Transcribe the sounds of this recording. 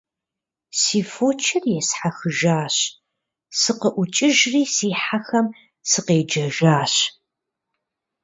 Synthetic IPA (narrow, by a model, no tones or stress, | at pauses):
siːfoːt͡ʃʰɪrjɛsħaxɨʒaːɕ | sɨqəʔʷʊt͡ʃʼɪʒriːsiːħaxɐm | sɨqeːd͡ʒɐʒaːɕ